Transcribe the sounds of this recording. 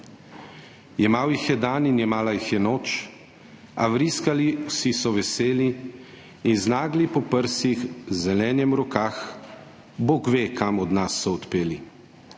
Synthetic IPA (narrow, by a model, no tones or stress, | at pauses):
jɛmaːwjixjɛd̪aːninjɛmaːlajixjɛnoːt͡ʃ | a̰ʋɾiskaliwsisɔʋɛseːliː | nznaːɡlipɔpəɾsixzɛlɛːnjɛmɾɔkax | boːɡʋeːkamɔd̪nasːɔɔt̪peːli